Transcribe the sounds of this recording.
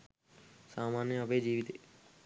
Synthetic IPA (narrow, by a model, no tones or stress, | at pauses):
saːmaːnjəəpeːd͡ʒiːʋit̪eː